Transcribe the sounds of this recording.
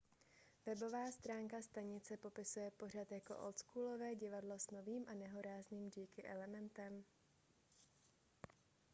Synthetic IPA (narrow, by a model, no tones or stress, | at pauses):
vɛbo̞vaːst̪ɾaːŋkast̪aɲɪt͡sɛpo̞pɪsujɛpo̞r̝at̪jako̞̰ʔo̰lskuːlo̞vɛːɟɪvadlo̞sno̞viːmʔanɛɦo̞ɾaːzniːmɟiːkɪʔɛlɛmɛnt̪ɛm